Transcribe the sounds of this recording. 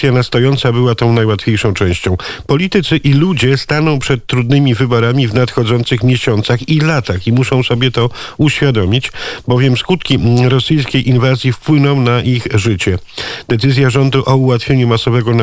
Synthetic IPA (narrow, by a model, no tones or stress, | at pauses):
janast̪ɔjɔnt̪sabɘwat̪ɔ̃w̃najwat̪fʲejʂɔ̃w̃t͡ʂɛ̃w̃ɕt͡ɕɔ̃w̃pɔlʲit̪ɘt̪sɘʔilud͡ʑɛst̪anɔ̃w̃pʂɛt̪ːɾud̪nɘmʲivɘbɔɾamʲivnat̪xɔd̪zɔnt̪sɘxmʲjeɕɔnt̪saxilat̪aximuʂɔ̃w̃sɔbʲjɛt̪ɔuɕfʲjad̪ɔmʲit͡ɕbɔvʲjɛmskut̪kʲiɾɔsɘjskʲejʔinvazʲjifpwɘnɔ̃w̃naʔixʐɘt͡ɕɛd̪̥ɛt̪sɘzʲjaʐɔnd̪uʔɔuwat̪fʲjeɲumasɔvɛɡɔn